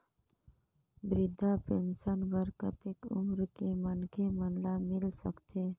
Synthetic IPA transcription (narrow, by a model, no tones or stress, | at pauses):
bɾɪd̪ʱapensənbəɾkət̪ekʊ̰mɾkimənkʰemənlamɪlsə̰kt̪ʰe